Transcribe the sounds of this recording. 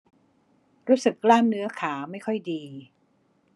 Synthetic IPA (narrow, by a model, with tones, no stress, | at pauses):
ɾuː˦˥sɯ˨˩kːlaː˥˩mnɯ˦˥ɐkʰaː˩˦ma˥˩jkʰɔ˥˩jdiː˧